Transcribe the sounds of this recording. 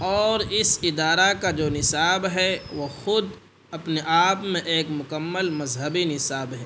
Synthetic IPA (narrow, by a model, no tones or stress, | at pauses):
ɔːɾɪsɪd̪aːɾakad͡ʒoːnɪsaːbɦɛʋoxʊd̪ | ɐpneʔaːpmẽʔeːkmʊkəmːəlmɐzɦəbinɪsaːbɦɛː